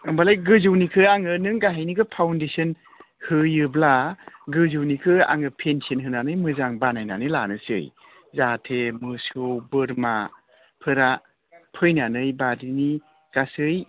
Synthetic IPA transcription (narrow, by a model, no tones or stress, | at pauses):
ɯmbalajɡɯzɯwnikʰɯaŋɯnɯŋɡaɦajnikɯpʰawndesɯn | hɯjɯblaɡɯzɯwnikʰɯa̰ŋɯpʰensiɯnɦɯnanɯjmɯzaŋbanajna̰nɯla̰nɯsɯ̰j | zatʰemɯsɯwbɯɾma | pʰɯɾa | pʰɯjnanɯjbadini | ɡ̥asɯj